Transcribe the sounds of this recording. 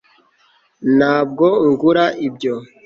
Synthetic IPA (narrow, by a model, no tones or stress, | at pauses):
naːb̚ɡoŋɡuɾaʔibɟo